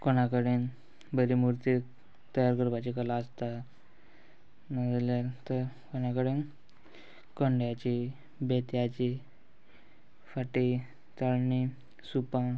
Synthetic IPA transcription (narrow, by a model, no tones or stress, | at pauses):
konakəɽen | bəɾimuɾt̪i | t̪əjaɾkəɾbat͡ɕikəlaəst̪a | nad͡zljat̪əɾ | koɽ̃akəɽen | kəɳɖjat͡ɕi | bet̪jat͡ɕi | faʈi | t͡s̪aɭɳi | supã